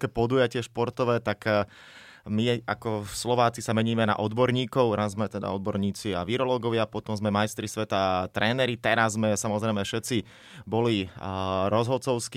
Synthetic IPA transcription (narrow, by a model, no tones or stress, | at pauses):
kɛpɔd̪uːjacɪɛʃpɔɾt̪ɔʋɛːt̪ak | miakɔslɔʋaːt͡sisamɛɲiːmɛna̰ʔɔd̪bɔɾɲiːkɔʊɾazzmɛt̪ɛd̪a̰ɔd̪bɔɾɲiːt͡sia̰ʋiɾɔlɔːɡɔʋɪapɔt̪ɔmzmɛmajst̪ɾisʋɛt̪at̪ɾʔɛːnɛɾit̪ɛɾazːmɛsamɔzɾɛjmɛfʃɛt͡si | bɔli | ɾɔzɦɔt͡sɔʊsk